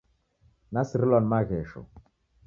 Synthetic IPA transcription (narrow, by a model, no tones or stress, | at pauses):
nasiɾilanmaɣɛʃɔ̰